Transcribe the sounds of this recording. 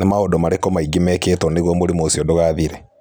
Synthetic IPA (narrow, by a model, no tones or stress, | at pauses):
nemaodomaɾekɔmaiɡimɛketɔneɣomoɾemosiɔdoɣaːðiɾɛ